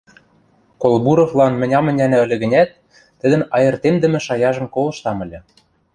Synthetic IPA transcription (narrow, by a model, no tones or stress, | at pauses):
kolˠbuɾoflˠɑnmɘ̆nʲɑmɘ̆nʲænæ̆ɘ̆lʲɘ̆ɣɘ̆nʲæt̪̚ː | ə̆d̪ə̆nɑjɤ̆rt̪emd̪ə̆mɘ̆ʃɑjɑʒɤ̆mkolˠɤ̆ʃt̪ɑmɘ̆lʲɘ̆